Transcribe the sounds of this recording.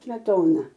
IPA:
sʲmʲɛˈtoːnɐ

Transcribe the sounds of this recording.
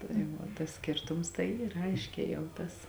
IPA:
tɐɪ ˈʋɐ tɐs ˈsʲkʲeːrtʊms tɐɪ ˈiːr ˈɐɪʃʲkʲɛː jɛʊ ˈtɐs

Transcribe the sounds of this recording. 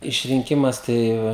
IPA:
ɪʃʲrʲɪŋʲˈkʲɪmɐs ˈtɐɪ

